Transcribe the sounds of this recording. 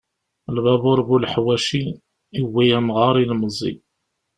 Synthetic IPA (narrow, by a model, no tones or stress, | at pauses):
lvæbʊɾˤbulħwæʃi | iwːijæmʁɑɾˤilməzˤḭ